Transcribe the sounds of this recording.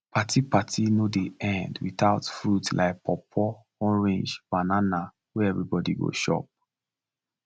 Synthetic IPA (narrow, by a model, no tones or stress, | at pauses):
pʰatipatʰinodeɛ̃ndwiθaʊtfɹutla̰ɪk̚pʰɔpʰɔ | ɔɹĩnd͡ʒb̥anana | wɛɛvɹibɔdḭɡo̰ʃɔ̰p̚